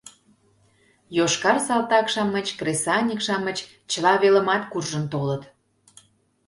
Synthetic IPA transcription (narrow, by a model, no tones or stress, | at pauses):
joʃkɑrsɑlt̪ɑkʃɑmːə̆t͡ɕkresɑnʲikʃɑmːət͡ɕ | t͡ɕəlɑβelə̆mɑt̪kurʒənt̪olət̪